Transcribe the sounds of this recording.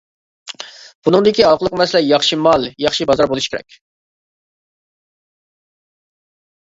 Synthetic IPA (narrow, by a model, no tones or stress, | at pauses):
b̥unɨŋd̪ɪkʲiɑqʰəlˠəqmɛsɪlɛjɑχʃimɑlˠjɑχʃibɑzɑɾbolˠuʃkʲeɾɛ̰k̚ʲ